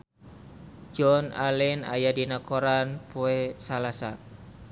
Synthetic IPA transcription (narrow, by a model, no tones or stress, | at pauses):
d͡ʒɔna̰lɪna̰jadinakoɾanpoesalasa